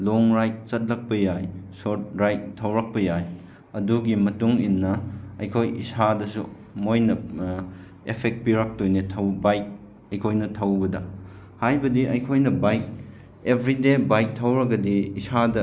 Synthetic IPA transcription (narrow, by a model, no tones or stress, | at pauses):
loŋɾajk̚t͡ʃɐt̚lɐk̚pɐjajsoɾt̚ɾajk̚tʰːɐwɾɐk̚pɐjaj | ɐduɡimɐtuŋinːɐɐ̰jkʰojḭsadɐsu | mojnɐ | epʰek̚t̚piɾak̚tojnetʰɐwbajk̚ | ɐjkʰojnɐtʰɐwbɐdɐ | hajbɐdiʔɐjkʰojnɐbajk̚ | ebʱɾidebajk̚tʰɐwɾɐɡɐdiːsadɐ